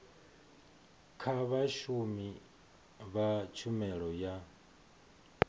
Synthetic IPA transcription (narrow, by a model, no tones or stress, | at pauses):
kʰaβaʃumi | βat͡ʃʰumɛɺɔja